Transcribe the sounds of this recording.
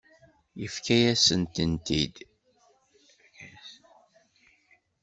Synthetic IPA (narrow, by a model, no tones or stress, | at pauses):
jəfkæjæsənt̪ənt̪id̪